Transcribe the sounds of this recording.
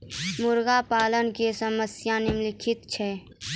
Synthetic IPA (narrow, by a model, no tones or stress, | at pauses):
mʊɾɡapaːlənkesəməsjanemlɪkʰɪt̪t͡ʃʰɛː